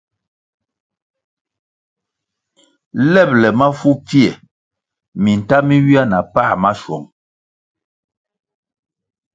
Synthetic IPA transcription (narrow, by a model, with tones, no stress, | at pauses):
lɛ˦˨p̚lɛ˨ma˦fu˦pjɛ˨ | mi˨n̩˨ta˦mi˦wi˦a˦na˨pa˦˨ma˦ʃwɔ˨ŋ